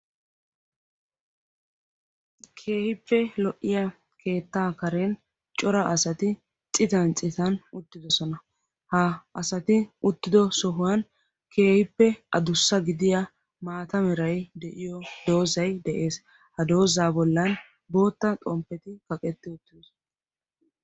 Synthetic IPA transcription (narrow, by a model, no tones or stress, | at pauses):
kʰe̞ːhɪpːɛlɔʔːɪjɐ | kʰe̞ːt̪ːaːkɐɾɛn | t͡ʃʼɔɾɐʔɐsɐt̪ɪ | t͡sʼɪt̪ɐnt͡sʼɪt̪ɐnʊt̪ːɪd̪ɔsɔnɐ | hɐːsɐt̪ɪʊt̪ːɪd̪ɔsɔɦʊwɐn | kʰe̞ːhɪpːɛʔɐd̪ʊsːɐɡɪd̪ɪjɐ | maːt̪ɐmɛɾɐjd̪ɛʔɪjɔd̪̥o̞ːzɐjd̪ɛʔe̞ːs | hɐd̪o̞ːzaːbɔlːɐn | bo̞ːt̪ːɐt̪ʼɔmpːɛt̪ɪkɐkʼɛt̪ːɪʊt̪ːɪd̪s